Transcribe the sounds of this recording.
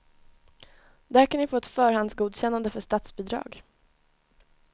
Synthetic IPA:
d̪æɾkanvɪfoːɛt̪fœːɾhand̪sɡuːd̪ɕɛnːand̪əfœʂt̪at̪sbiːd̪ɾɑ̰ːɡ

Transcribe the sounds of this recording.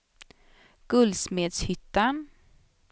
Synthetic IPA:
ɡ̥ɵld̪smeːd̪shʏt̪ːan

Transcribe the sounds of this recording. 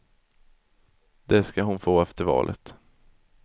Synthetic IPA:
d̪ɛskaɦʊnfoːɛft̪əɾvɑ̰ːlʔə̰t̪

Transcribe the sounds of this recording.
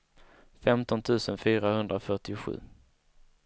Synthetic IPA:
fɛmt̪ɔnt̪ʰʉ̟ːsənfyːɾahɵnd̪ɾafœʈɪɧʉ̟̰ː

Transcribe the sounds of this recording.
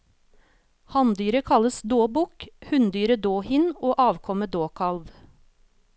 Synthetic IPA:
hɑnd̪yːɾəkʰɑləsd̪oːbʊkhʉnd̪yːɾəd̪oːhɪnoːʔɑːʋkʰɔməd̪oːkʰɑlʋ

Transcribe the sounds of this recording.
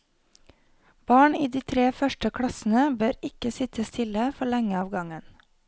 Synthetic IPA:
b̥ɑːɳiːd̪iːt̪ʰɾeːfœʃʈəkʰɽɑsn̩əbøːɾɪkəsɪt̪ʰəst̪ʰɪləfɔɭɛŋəɑːʋɡɑŋən

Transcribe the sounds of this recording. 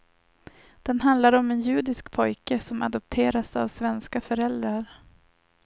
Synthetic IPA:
d̪̥ɛnɦand̪laɾɔmɛnjʉ̟ːd̪ɪskpʰɔjkəsɔma̰d̪ɔp̚t̪ʰeːɾasa̰vsvɛnskafœɾɛld̪ɾaɾ

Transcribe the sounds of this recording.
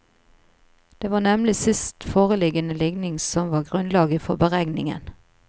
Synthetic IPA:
d̪̥eːʋɑːnɛmlɪsɪst̪foːʁəlɪɡənəlɪɡnɪŋsɔmʋɑːɡʁʉnlɑːɡəfɔbəʁæɡnɪ̰ŋə̰n

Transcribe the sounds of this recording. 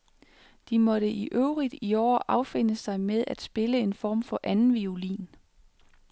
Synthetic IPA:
d̥imɒ̽ɾəʔiʔøʊʁid̥iɒ̰ːʔɑ̈ʊfe̝n̰əsɑ̈ɪmeðˠæd̥sb̥e̝ləe̝nfɒ̰ːmfɒ̽ʔænn̩ʋiolḭːn

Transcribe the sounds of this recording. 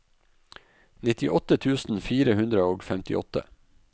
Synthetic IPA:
nɪt̪ɪʔɔt̪ət̪ʰʉːsn̩fiːɾəhʉnd̪ɾəoːɡfɛmt̪ɪ̰ʔɔ̰t̪ə̰

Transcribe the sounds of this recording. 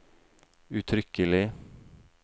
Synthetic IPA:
ʉt̪ʰɾʏkəlɪ

